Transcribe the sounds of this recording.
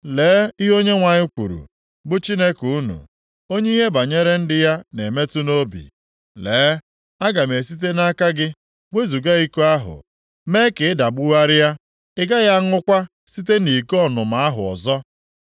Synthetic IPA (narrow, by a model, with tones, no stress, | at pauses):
leː˨˦i˦ɦo˦ɲe˦ŋʷa˨ɲɪ˦kʷṵ˨ɾṵ˨ | bʊ˦t͡ʃi˦ne˦ku˨u˦nṵ˨ | o˦ɲ˦i˦ɦe˦ba˨ɲe˦ɾe˦n̩˦dɪ˦ja˦ne˨me˦tu˦no˦bḭ˨ | leː˨˦ | a˦ɡa˨me˨si˦t̬e˦na˦ka˦ɡɪ˦ | wʷe˦zu˨ɡa˦i˦ku˦a˦ɦʊ̰˨ | me˦kɪ˨ɪ˦da˨bʊ˦wa˦ɾɪ˦ja˦ | ɪ˦ɡa˦ɣa˦ŋʊ˦kʷa˦ | si˦t̬e˦ni˨kɔ˦nʊ˨ma˨a˦ɦʊ̰˨ɔ̰˨zɔ˦